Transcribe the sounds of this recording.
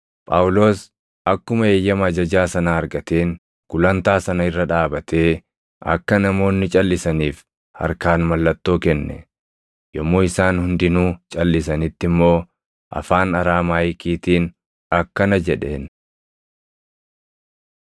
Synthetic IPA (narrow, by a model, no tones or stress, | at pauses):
pʼɐʊlo̞ːs | ʔɐkːʊmɐe̞ːjːɐmɐɐd͡ʒɐd͡ʒaːsɐnaːɐɾɡɐt̪e̞ːŋ | ɡ̥ʊlɐnt̪aːsɐnɐɪrːɐᶑaːbɐt̪e̞ː | ɐ̰kːɐnɐmo̞ːnːɪt͡ʃʼɐlːɪsɐniːf | hɐ̰ɾkaːnmɐlːɐt̪ːo̞ːkɛnːɛ̰ | jɔmːoːɪsaːnhʊnd̪ɪnuːt͡ʃʼɐlːɪsɐnɪt̪ːɪmːo̞ː | ʔɐ̰faːnɐɾaːmaːjɪkiːt̪iːn | ɐkːɐnɐd͡ʒɛᶑe̞̰ːn